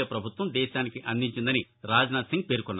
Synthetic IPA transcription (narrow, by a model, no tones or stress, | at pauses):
ɐpɾɐbʱut̪ʋɐmd̪ɛːʃaːnikiʔɐnd̪ʱiɲt͡ʃind̪ɐni | ɾaːd͡ʒnaːt̪siŋɡ̚peːɾukɔnːa